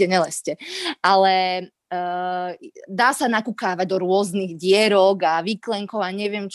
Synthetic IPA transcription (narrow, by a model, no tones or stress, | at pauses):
ɛɲɛlɛscɛʔalɛ | d̪aːsanakukaːʋaɟ̚d̪ɔɾʊɔzniɣɟɪɛɾɔɡaʋiklɛŋkɔʊaɲɛʋɪɛmt͡ʃ